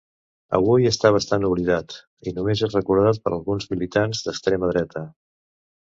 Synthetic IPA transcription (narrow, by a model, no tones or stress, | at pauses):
ə̰βujəst̪aβ̞əst̪anuβ̞liðat̪ | inumezezrəkuɾðat̪̚pəɾəlˠɣunzmilit̪anzd̪əkst̪ɾeməðɾɛt̪ə